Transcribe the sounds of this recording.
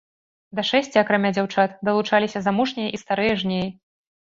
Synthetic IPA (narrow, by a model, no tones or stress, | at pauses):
d̪ɐʂɛsʲt͡sʲiakɾamʲad͡zʲawt͡ʂat̪d̪ɐlˠut͡ʂalʲisʲɐzamuʂnʲɛjɐʔist̪aɾɨjɐʐnʲeji